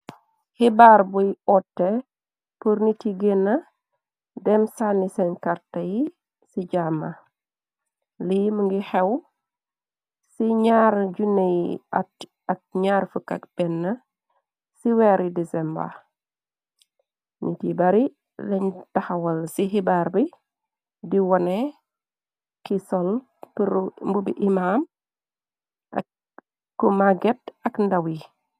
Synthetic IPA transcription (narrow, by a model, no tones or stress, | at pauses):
hibaɾbujɔtːɛ | puɾnitiɡenːɐ | dɛmsanisɛnkaɾtɐji | siɟamɐ | liməŋɡixɛw | siɲaɾɟunej | ɐk̚ɲaɾfukɐ̰k̚b̥ɛnːɐ | siwɛːɾidisɛmba̰ | ɲḭtibaɾi | lɛɲtaxɐwɐlsiɦibaːɾbi | diwɔnɛ | kisɔl | pɾmbubiʔimaːm | kːumaɡɛt̚ɐkndawi